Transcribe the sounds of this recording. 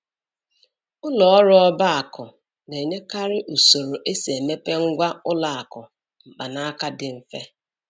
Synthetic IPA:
ʊ˦lɔ˨ɔ˦ɾʊ˦ɔ˦ba˦a˨kɔ˨ | ne˨ɲe˦ka˦ɾɪ˦ʔu˨so˨ɾo˨ʔe˦si˨e˨me˦pe˦ŋ̩˦ɡʷa˦ʊ˦la˨a˨kɔ˨ | m̩˨k͡pa˨na˦a˦ka˦dɪ˨m̩˦fe˦

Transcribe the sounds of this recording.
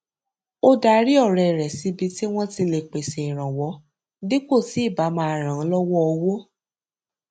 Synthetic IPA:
o˦da˨˦ɾi˦ɔ˦˨ɾɛ˨ɾɛ˨si˧˦bi˧˦ti˦w̃ɔ̃˦ti˧le˧˨k͡pe˨se˨i˨ɾ̃ã˨wɔ˨˦ | di˦ko˦˨ti˨˦i˦˨ba˨˦mã˦˧a˧ɾ̃ã˨˦lɔ˦wɔ˦ɔ˧wo˦

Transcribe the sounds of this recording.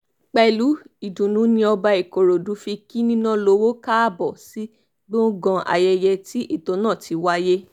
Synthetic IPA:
k͡pɛ˧˨lu˨˦i˨dũ˨nũ˨˦nĩ˧ɔ˧ba˧i˨ko˨ɾo˨du˨˦fi˧ki˦nĩ˦nã˦lo˨˦wo˦ka˦˨bɔ˨si˦ | ɡ͡bõ˦ɡɔ̃˧ʔa̰˨jɛ˧jɛ˧ti˦ʔi˦˨tõ˨˧˦nã˦˨ti˨˦wa˦je˦

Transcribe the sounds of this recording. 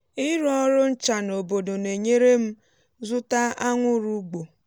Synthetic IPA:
ɪ˦ɾɔ˦ɾʊ˦n̩˦t͡ʃa˨no˨bo˨do˨ne˨ɲe˦ɾe˦m̩˦ | zʊ˦ta˦a˦ŋʷʊ˦ɾu˦ɡ͡bo˨

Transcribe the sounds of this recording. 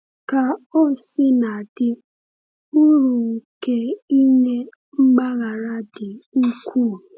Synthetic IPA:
ka˨o˦sɪ˦na˨dɪ˦ | u˦ɾu˨ke˦i˦ne˦ | ŋ͡m̩˦ɡ͡ba˦ɣa˨ɾa˦dɪ˨u˦kʷʰuː˦˨

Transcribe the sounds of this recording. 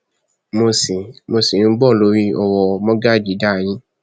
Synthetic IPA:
mo˧si˨mo˧si˨˦˧ɡ͡bɔ˦˨lo˦ɾi˦ɔ˨wɔ˧mɔ̃˦ɡa˦˨d͡ʒi˨˦da˦˨j̃ĩ˦

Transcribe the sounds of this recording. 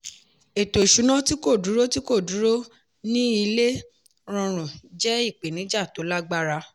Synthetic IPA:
e˨to˨ʃu˨˦nɔ̃˦ti˦ko˦˨du˨˦ɾo˦ti˦ko˦˨du˨˦ɾo˦ | nĩ˦i˧le˦ | ɾ̃ɔ̃˧ɾ̃ũ˨d͡ʒɛ˦i˦˨k͡pe˨nĩ˨˦d͡ʒa˦˨to˨˦la˦ɡ͡ba˦ɾa˧

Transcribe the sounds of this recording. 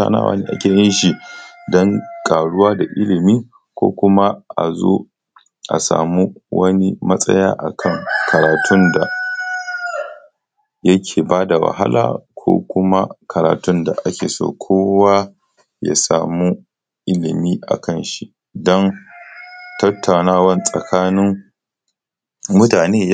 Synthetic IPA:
a̰ː˦na̰ː˦wʔa̰ː˨neː˦ʔa˦kʲeː˨jɪ˦nʃi˨dɔ˦ŋkʼaː˨ɽʊ˦waː˦da˨ʔɪ˦lɪ˨miː˦ | kʷo̰ː˦kʷʊ˦ma˦ʔa̰˨zo˦ | ʔa̰˨sa̰ː˨mu˦wɐ̰˦ni˦mɐ˦sʼɐ˦jaː˦ʔa˨kʰɐ˦˨ŋkʰɐ˨ɾaː˨tʰʊ˦nda˨ | jɐ˦kʲʰeː˨baː˦da˨wa̰˨ɦa̰˦lʔa̰ː˨kʷʰo̰ː˦kʷʊ˦ma˦kʰɐ˨ɾa̰ː˨tʊ˦nda˨ʔa˦kʲʰeː˨so̰ː˦˨kʷʰoː˦wa˦ | ja̰˦saː˨mu˦ | ʔɪ˦lɪ˨miː˦ʔa̰˨kʰɐ˦nʃi˦ | dɔ˦n | tɐ˦tʰːa˨wnaː˦wɐ˦nsʼɐ˨kʰaː˦nɪ˦ŋ | mʊ˦taː˨neː˦j

